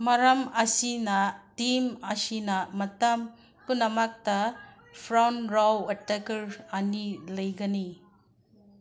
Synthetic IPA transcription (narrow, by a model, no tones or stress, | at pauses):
mɐɾɐmɐsinɐtimɐsinɐmɐtɐm | punɐmak̚tɐ | pʰɾawnɾawɐtekɐɾɐnilɐjɡɐni